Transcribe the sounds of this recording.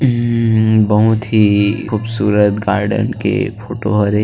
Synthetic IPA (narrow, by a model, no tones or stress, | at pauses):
bɐɦʊt̪ɦixuːbsuːɾət̪ɡaːɾɖə̰nkḛpoːʈoɦoɾe